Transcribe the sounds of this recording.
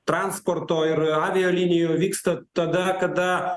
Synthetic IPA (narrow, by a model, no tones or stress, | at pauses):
t̪ɾɑːnspoːɾt̪oːɪɾɑːʋʲɪjoːlʲɪnʲɪjuːʋʲiːkst̪ɐt̪ɐd̪ɐkɐd̪ɐ